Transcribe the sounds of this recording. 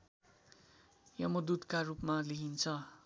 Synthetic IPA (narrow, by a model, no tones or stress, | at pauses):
jʌmod̪ud̪karupmaliɦint͡sʰʌ